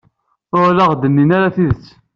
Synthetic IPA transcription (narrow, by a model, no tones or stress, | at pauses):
ʊɾləʁd̪ənːinaɾaθiðət͡sː